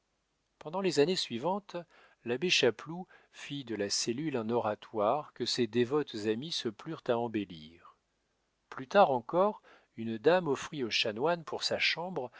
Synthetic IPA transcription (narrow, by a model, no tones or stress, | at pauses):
pɑ̃d̪ɑ̃lezanesɥivɑ̃t̪ | labeʃaplu | fid̪əlaselylɛ̃nɔʁat̪waʁkəsed̪evɔt̪zamisəplyʁt̪aɑ̃beliʁ | plyt̪aʁɑ̃kɔʁ | ynd̪amɔfχioʃanwanpʰuʁsaʃɑ̃bʁ